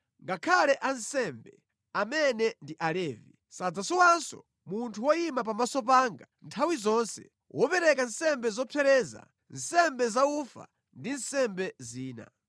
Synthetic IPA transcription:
ŋɡakʰalɛʔansɛmbɛ | amɛnɛndiʔalɛːvi | sad͡zasɔwansɔ̰ | muntʰuwɔimap̬amasɔp̬aŋɡantʰawizɔnsɛ̰ | wʔɔpɛɾɛkansɛmbɛzɔpʰɛɾɛza̰ | nsɛmbɛzaufa̰ | ndinsɛmbɛziːna̰

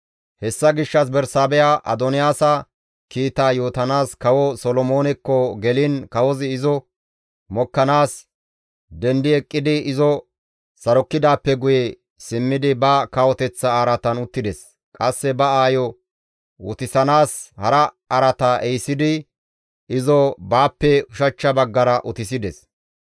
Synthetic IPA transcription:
hɛsːɐɡɪʃːɐs̬bɛɾsaːbɛjaʔɐ̰d̪ɔnɪjaːsɐ | kiːt̪aːjo̞ːt̪ɐnaːskɐwɔsɔlɔmoːnɛkːɔɡɛlɪnkɐwɔzɪɪzɔ | mɔkːɐnaːs | d̪ɛnd̪ɪɛkʼːɪd̪ɪɪzɔ | sɐɾɔkːɪd̪aːpːɛɡʊjɛ | sɪmːɪd̪ɪbɐkɐwɔt̪ɛt͡sːɐaːɾɐt̪ɐnʊt̪ːɪd̪ɛs | kʼɐsːɛbɐaːjɔ | ʊt̪ɪsɐnaːshɐɾɐ | ɐɾɐt̪aːʔɛjsɪd̪ɪ | ɪzɔbaːpːɛʊʃɐt͡ʃːɐbɐɡːɐɾɐʔʊt̪ɪs̬ɪd̪ɛs

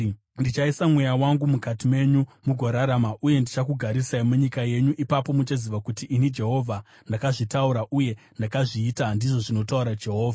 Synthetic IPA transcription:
ndit͡ʃaisamwe̞jawaŋɡumukatime̞ɲumuɡʱoɾaɾamaʔuje̞ndit͡ʃakuɡʱaɾisaimuɲikaje̞ɲuʔipapo̞mut͡ʃaziʋakutiʔːnid͡ʒe̞ɦo̞vʱa | ndakaʐitauɾaʔuje̞ | ndakaʐiːtandiʐo̞ʐino̞tauɾad͡ʒe̞ɦo̞ːvʱa

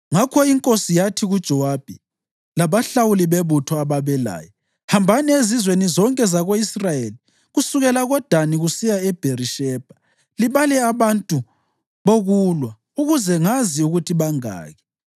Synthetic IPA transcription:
ŋakʰɔiŋkʼosijatʰiɣud̥ʒ̥ʱɔwab̥ʱɛ | laβaɬawuliβeβutʰɔaβaβɛla̰ːjɔ | hambʱanɛezizwenizɔŋkʼɛzaɣoisrajeli | ɣusuɣɛlaɣɔd̥ʱaniɣusijaɛb̥ʱeriʃɛb̥ʱa | liβalɛaβantʼu | βoɣulwa | uɣuzɛŋaziuɣutʰiβaŋa̰ːɣɛ

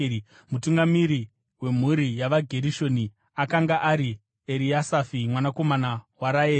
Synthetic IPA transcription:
mutuŋɡamiɾi | we̞m̤uɾijaʋaɡʱe̞ɾiʃo̞ni | akaŋɡaʔaɾi | eɾiasafimwanako̞manawaɾaeː

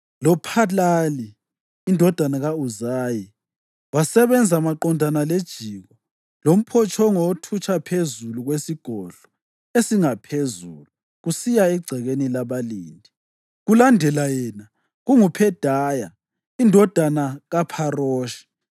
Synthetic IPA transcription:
lɔpʰalaliː | ndʱɔd̥ʱanaɣauzaːji | wasɛβɛnd͡zʱamaǃɔndʱanaled̥ʒ̥ʱiːɣɔ | lom̩pʰɔt͡ʃʰɔŋɔtʰut͡ʃʰʼapʰezuluɣwesiɡ̥ʱɔɮ̥ɔ̥ | esiŋapʰezulu | ɣusijaɛɡ͡ǀʱɛɣenilaβaliːndʱi | ɣulandʱɛlajɛna | ɣuŋupʰɛd̥ʱaːja | indʱɔd̥ʱanaɣapʰarɔːʃi̥

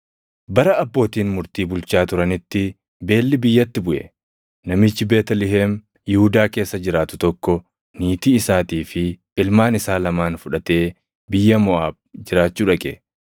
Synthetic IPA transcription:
bɐɾɐɐbːo̞ːt̪iːnmʊɾt̪iːbʊlt͡ʃaːt̪ʊɾɐnɪt̪ːɪ | be̞ːlːɪbɪjːɐt̪ːɪbʊʔɛ̰ | nɐmɪt͡ʃːɪbe̞ːt̪ɐlɪɦeːm | jɪhʊd̪aːke̞ːsːɐd͡ʒɪɾaːt̪ʊt̪ɔkːɔ | niːt̪iːɪsaːt̪iːfɪ | ɪlmaːnɪsaːlɐmaːnfʊᶑɐt̪e̞ː | bɪjːɐmɔʔaːb̚d͡ʒɪɾaːt͡ʃːuːᶑɐkʼɛ̰

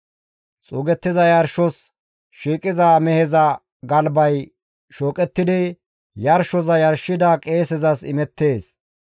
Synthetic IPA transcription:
t͡sʼuːɡɛt̪ːɪzɐjɐɾʃɔs | ʃiːkʼɪzaːmɛhɛzɐ | ɡɐlbɐj | ʃoːkʼɛt̪ːɪd̪ɪ | jɐɾʃɔzɐjɐɾʃːɪd̪ɐkʼe̞ːsɛzɐsɪmɛt̪ːe̞ːs

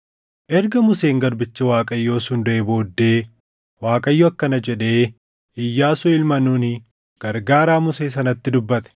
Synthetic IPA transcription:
ʔɛɾɡɐmʊseːŋɡɐɾbɪt͡ʃːɐwaːkʼɐjːo̞ːsʊnd̪ʊʔebo̞ːd̪ːe̞ː | waːkʼɐjːɔɐkːɐnɐd͡ʒɛᶑe̞ː | ɪjːaːsʊɪlmɐnuːnɪ | ɡ̥ɐɾɡaːɾaːmʊseːs̬ɐnɐt̪ːɪd̪ʊbːɐt̪ɛ̥

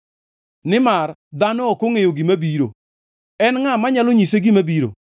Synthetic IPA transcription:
nɪmard̪anɔɔkoŋejoɡimabiɾo̰ | ɛnŋamaɲaloɲiseɡimabiɾo̰

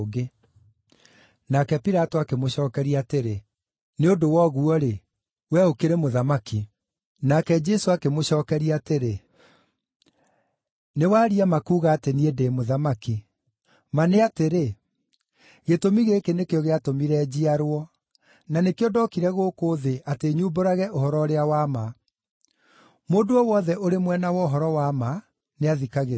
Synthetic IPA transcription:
ɣe | nakɛpiɾatoakemoɕɔːkɛɾiateɾe | neodowɔɣuɔɾe | wɛokeɾemoðamaki | nakɛd͡ʒɛsoakemoɕɔːkɛɾiateɾe | newaːɾiamakuːɣaːteniedeːmoðamaki | maneateɾe | ɣetomiɣekenekeɔɣeatomiɾɛd͡ʑiaɾoɔ | nanekeɔdɔkiɾɛɣoːkoːðeʔateːɲuːboɾaɣɛʔohɔɾɔɾeawama | moːndoɔwɔðɛʔoɾemwɛnawɔɦɔɾɔwama | neaðikaɣe

